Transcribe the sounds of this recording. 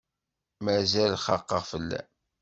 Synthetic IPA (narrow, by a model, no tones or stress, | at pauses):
mæzælχɑqːəʁfəlːæ̰